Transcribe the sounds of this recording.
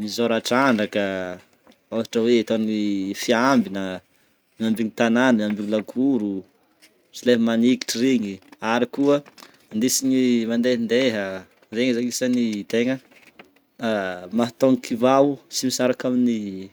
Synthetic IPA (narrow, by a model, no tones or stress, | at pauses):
mizoɾaʈ͡ʂaɳɖ͡ʐakə | aɦaʈ͡ʂəweːt̪onifiambinə | miambiɲit̪ananəmiambiɲilaɡuɾu | sileɦəmaniki̥ʈ͡ʂiɾiɲiaɾikuə | nd̪isiɲimand̪eɦind̪eɦə | zeŋəzaŋisənit̪eŋə | maɦat̪oŋikʰivawsimisaɾakamini